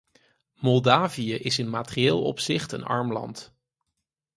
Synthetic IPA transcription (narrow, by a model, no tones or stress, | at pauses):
mɔlˠdaːvijəʔɪsɪnmaːtərieːlˠɔ̰psɪχtə̰nɑ̰ɹmlɑ̰nt